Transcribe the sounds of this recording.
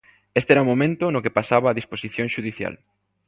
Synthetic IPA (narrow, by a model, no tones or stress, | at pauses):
est̪eɛɾɐumõmẽnt̪ʊnʊkepasaβaːðisposiθjõŋʃuðiθja̰l